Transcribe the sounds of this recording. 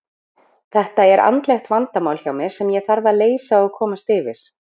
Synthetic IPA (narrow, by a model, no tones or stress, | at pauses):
θɛht̪aɛɾʔa̰nt̪lɛxt̪vant̪amaːwlçjawmɪɾ̥sɛmjɛɣθaɾvaleːjsaɔɣkʰɔːmast̪ɪːvɪɾ̥